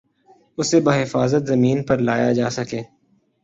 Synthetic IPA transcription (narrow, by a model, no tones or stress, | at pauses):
ʊsebaːɦɪfaːzət̪zɐmiːnpɐɾlaːjad͡ʒaːsɐkeː